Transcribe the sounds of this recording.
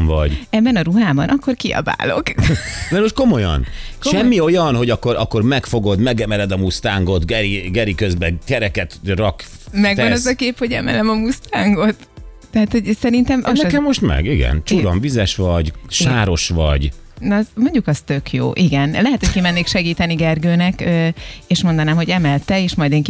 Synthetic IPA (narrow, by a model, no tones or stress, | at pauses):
mvɒɟɛbːɛnɒɾuɦaːbɒnʔɒkːo̞rkiɒ̰ba̰ːlo̞̰kmɛɾmoʃt̪ko̞mo̞jɒ̰nkʃʃɛmːio̞jɒnho̞ɟɒkːoɾʔɒkːo̞rmɛkfo̞ɡo̞d̪mɛɡɛmɛlɛd̪ɒmust̪aːŋɡo̞t̪ɡɛɾiɡɛɾikøzbɛkɛɾɛkɛt̪rɒk | mɛɡɒnɛzɒkeːpho̞ɟɛmɛ̰lɛmɒmust̪aːŋɡo̞t̪ː | ɛɦaːt̪ho̞ɟsɛɾint̪ɛmnɛkɛmːoʃt̪mɛ̰ɡiɡɛ̰nt͡ʃuɾoɱvizɛʃʋɒɟʃaːɾo̞ʃʋɒ̰ɟnmo̞ɲɟukɒst̪ø̞kʰjo̰ːʔiɡɛnlɛɦɛt̪ho̞c̚kimɛnːeːkʃɛɡiːt̪ɛniɡɛrɡøːnɛkøeːʃmo̞nd̪ɒnaːmɦho̞ɟɛmɛlt̪ɛeːʃmɒjd̪eŋk